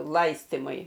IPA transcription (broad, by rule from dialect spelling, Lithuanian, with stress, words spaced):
ˈlˠɐɪsʲtʲɪmʊɪ